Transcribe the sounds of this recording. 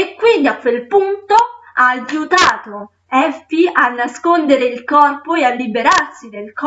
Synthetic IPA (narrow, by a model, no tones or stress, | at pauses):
ekːwind̪iakːwelpunt̪oaːjut̪aːt̪o | ɛfianːaskond̪eɾeilkɔrpoealːibeɾarsid̪elk